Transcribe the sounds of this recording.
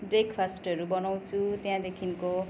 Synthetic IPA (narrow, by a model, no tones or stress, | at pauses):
brekpʰasʈʌɾubʌnaw̃t͡sʰut̪jãd̪ekʰinko